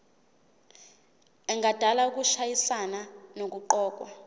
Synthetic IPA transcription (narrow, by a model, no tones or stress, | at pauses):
ɛŋad̥ʱalauk̬uʃajisananok̬uǃɔːk̬ʼwa̰